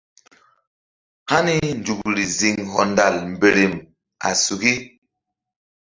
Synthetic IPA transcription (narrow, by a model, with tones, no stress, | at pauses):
ha˦ni˦n˨d͡ʒu˨kɾi˨zi˨ŋɦɔ˨nda˨lm̩˨be˨ɾi˨m | a̰˨su˨ki˦